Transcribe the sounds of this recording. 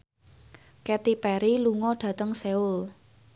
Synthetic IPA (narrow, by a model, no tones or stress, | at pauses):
kɛt̪ipɛɾiluŋɔɖ̥ä̤t̪əŋseʊl